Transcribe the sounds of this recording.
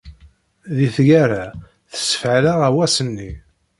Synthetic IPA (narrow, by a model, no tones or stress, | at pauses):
ðiθʝæɾa | θə̥sə̥fʕlaʁæwæsənːi